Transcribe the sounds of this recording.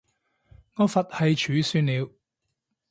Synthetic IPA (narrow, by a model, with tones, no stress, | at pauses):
ŋɔː˨˧fɐ˨t̚hɐ˨jt͡ʃʰyː˨˥syː˨˧nliː˨˧w